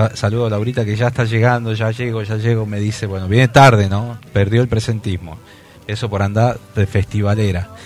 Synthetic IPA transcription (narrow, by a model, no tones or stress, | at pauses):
asaluðolawɾit̪akeʒaet̪aʒeɣand̪o̞ʒaʒeɣoʒaʒeɣome̞ðiseβwe̞noβjene̞t̪aɾðenõpeɾðjo̞elpɾese̞nt̪izmo̞̰ | eso̞po̞ɾand̪aɾðefest̪iβaleɾa